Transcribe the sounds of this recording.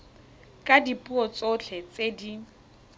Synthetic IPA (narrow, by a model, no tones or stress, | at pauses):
kʼadipʼuɔt͡sʼot͡ɬʰɛt͡sʼedi